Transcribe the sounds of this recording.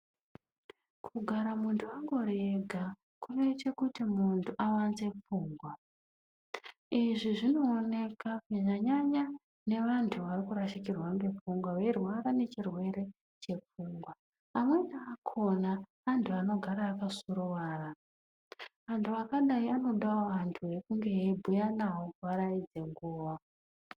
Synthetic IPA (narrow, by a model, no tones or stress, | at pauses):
kʰuɡʱaɾamuntʰuaŋɡo̞ɾeɡʱa | kuʋet͡ʃe̞kutimuntʰuʔawanze̞p͡fuːŋɡwa | iʐiʐino̞ːne̞kakiʐaɲaɲa | ne̞ʋantʰuʋarikuɾaʃikirwaŋɡe̞p͡fuŋɡwaʋe̞rwaɾane̞t͡ʃirwe̞ɾe̞ | t͡ʃe̞p͡fuŋɡwaː | mwe̞naːkʰo̞naʋantʰuano̞ɡʱaɾaːkasuɾoʋaːra | ʋantʰuakaɗaiano̞ɗaoʋantʰuɦe̞kuŋɡe̞ɦebʱujanawoʋaɾaid͡ze̞ŋɡuːʋa